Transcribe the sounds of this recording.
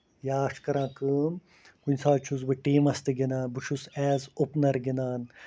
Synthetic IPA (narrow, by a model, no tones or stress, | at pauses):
jaːʂkɐɾãːkɨːm | kunʲsaːt͡ʃʰuzbɨʈiːmɐst̪iɡinaːnbɨt͡ʃʰusɛːzupnɐɾɡinaːn